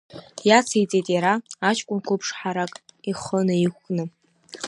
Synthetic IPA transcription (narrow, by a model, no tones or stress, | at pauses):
jat͡sʰejt͡sʼejtʼjaɾaat͡ʃʰʼkʷʼʊnkʷʰʊpʰʂħaɾakʼiχənɨikʷnɨ